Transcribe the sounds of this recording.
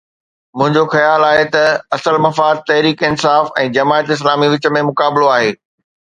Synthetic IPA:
mʊ̃ɦɪ̃ɲd͡ʑoxɐjaːlaːɦet̪ɐɐsəlmɐfaːd̪̚t̪ɐɦɾiːkɪnsaːfɛ̰̃ːd͡ʑɐmaːət̪ɪs̬laːmiʋɪt͡ɕə̆mẽmʊkaːbɪloaːɦeː

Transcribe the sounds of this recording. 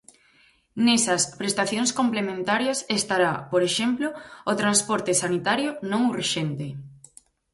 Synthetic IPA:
nesɐspɾest̪aθjoŋskomplemẽnt̪aɾjɐsest̪aɾapoɾeʃemplʊʊt̪ɾanspɔɾt̪esanit̪aɾjʊnõŋureʃent̪e

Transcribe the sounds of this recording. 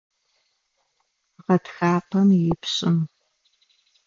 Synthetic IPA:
ʁɐtxaːqɐmjɪpɕʼɪm

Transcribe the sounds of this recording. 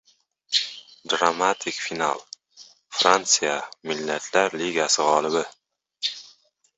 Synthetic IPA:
d̪ɾamat̪ʰɪkʲfina̰lˠ | fɾant̪sijamɪlːat̪ʰlaɾliɡasɪʁɒlˠɪbɪ

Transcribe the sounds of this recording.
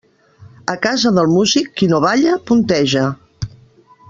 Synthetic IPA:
əkazəðəlˠmuzikːinoβaʎəpunt̪ɛʒə

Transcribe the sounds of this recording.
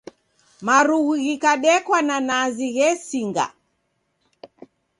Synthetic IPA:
maɾuɣiɣikaɗɛkwananaziɣɛsiŋɡa̰

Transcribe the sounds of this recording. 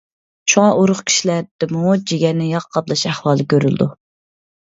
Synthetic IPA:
ʃuŋɑʔuɾʊχkʲʰi̥ʃilæɾd̪̥ɪmud͡ʒiɡʲɛnːɪjɑqqʰːɑblˠɑʃæhwɑːlˠɨkʲøɾy̰ld̪u

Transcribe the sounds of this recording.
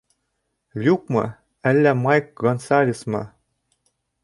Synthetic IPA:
lʲuk̚mɤ̰̆ | ælːæmɑjkɡonsɑlʲismɤ̰̆

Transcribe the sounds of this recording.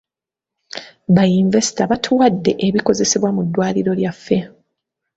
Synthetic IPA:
βajiɱve̞si̥taβatʰuwadːe̞ʔeβiko̞ze̞seβwamudːwaːliɾo̞ljafːe̞

